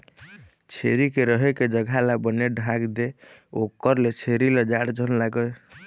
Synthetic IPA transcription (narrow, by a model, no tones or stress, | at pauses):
t͡ʃʰeɾikeɾəɦeked͡ʒəɡʱalabəneɖʱãɡd̪eokəɾlet͡ʃʰeɾiləd͡ʒaɽd͡ʒʱənlaɡə